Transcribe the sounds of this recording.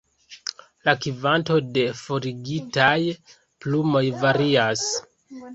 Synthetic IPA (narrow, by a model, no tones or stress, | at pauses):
lakivanto̞de̞fo̞ɾiɡitaj | plumo̞jvaɾias